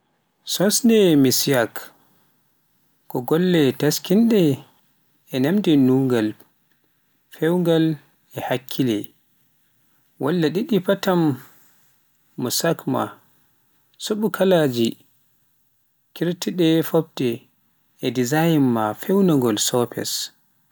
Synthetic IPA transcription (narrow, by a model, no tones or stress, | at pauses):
sɔnsndɛmisijak | kɔɡɔlːɛtaskinɗɛː | namdɛnuŋɡal | fɛwŋɡal | ɛhakʰːilɛ | walːaɗiɗipatam | usakma̰ | suɓukʰalad͡ʒi | kiɾtiɗɛfɔb̚tɛ | ɛdizajmːafɛwnaŋɡɔlsɔpʰɛ̰s